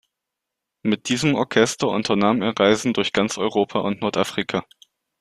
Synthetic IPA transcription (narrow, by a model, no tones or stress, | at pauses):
mɪt̚d̥iːzəmɔɐkʰɛstɐʔʊ̰ntʰɐnaːmḛːɐʁaɪzn̩dʊɐçɡ̥ant͡sʔɔʏʁoːpʰaʔʊntnɔɐtʔafʁ̥ikʰaː